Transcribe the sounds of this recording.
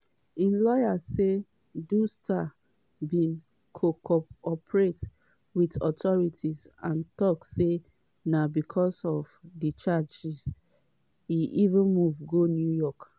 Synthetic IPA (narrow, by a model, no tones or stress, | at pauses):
ĩnlɔjase | dustʰa | bĩn | kʰokɔɔpɹet | witɔtʰɔɹitʰis | ãntɔkse | nabikʰɔsɔvdit͡ʃad͡ʒis | iʔivə̃nmuvɡonjujɔk